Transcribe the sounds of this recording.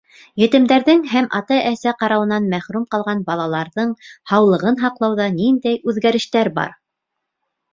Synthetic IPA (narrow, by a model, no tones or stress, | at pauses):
jɘ̆t̪ɘ̆md̪æɾðɘŋɦæmʔɑt̪ɑʔæsæqɑɾɑwɤ̆nɑnmæχɾumqɑlˠʁɑnbɑlˠɑlˠɑɾðɤɴhɑwlˠɤ̆ʁɤnɦɑqlˠɑwðɑnind̪æjʉðɡæɾɘ̆ʃt̪æɾbɑ̰ɾ